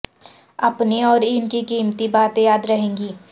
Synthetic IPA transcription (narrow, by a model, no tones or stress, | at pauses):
ɐpniɔːɾɪnkikiːmt̪ibaːt̪ejaːd̪ɾɐɦẽːŋɡiː